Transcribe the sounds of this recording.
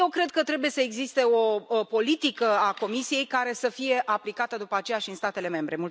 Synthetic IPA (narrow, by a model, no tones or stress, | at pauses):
jewkɾe̞d̪̚kət̪ɾe̞buje̞səe̞ɡzist̪e̞o̞po̞lit̪ikəako̞misije̞jkaɾe̞səfije̞ʔaplikat̪əd̪upəat͡ʃe̞jaʃiɨnst̪at̪e̞le̞me̞mbɾe̞mul